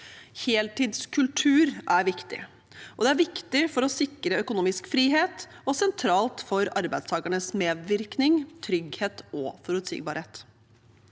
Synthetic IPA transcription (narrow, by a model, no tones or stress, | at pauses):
heːlt̪iːd̪skʰʉlʈ̪ʰʉːɾʔæɾʋɪkt̪ɪ̰ | ʔɔd̪ɛæɾʋɪkt̪ɪfɔɾɔsɪkɾəœkʊnuːmɪskfɾiːɦeːt̪ | ɔsɛnt̪ʰɾɑːlt̪fɔɾɑɾbæɪst̪ʰɑːɡəɳəsmeːd̪ʋɪɾknɪŋt̪ʰɾʏɡheːt̪ɔfɔɾʉt̪sḭːɡ̚bɑːɾheːt̪